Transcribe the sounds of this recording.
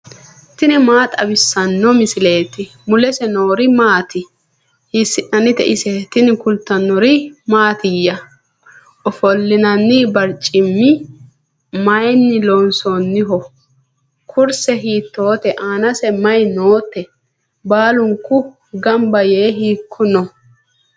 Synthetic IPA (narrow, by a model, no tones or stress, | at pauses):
t̪ɪnɪmaːt̪ʼɐbɪsːɐnːɔmɪsɪle̞ːt̪ɪ | mʊlɛsɛno̞ːɾɪmaːt̪ɪ | hɪsːɪʔɐnɪt̪ɛ̰ʔɪsɛt̪ɪnɪkʊlt̪ːɐnːɔɾɪmaːt̪ɪjːɐ | ʔɔfɔlːɪnɐnːɪbɐɾt͡ʃʼɪmːɪ | mɐjnːɪlonsonːɪɦɔ | kʰʊɾsɛɦiːt̪ːo̞ːt̪ɛʔaːnɐsɛmɐjnoːt̪ːɛ | baːlʊŋkːʊ | ɡɐmbɐjeːɦiːkʰːʊnɔ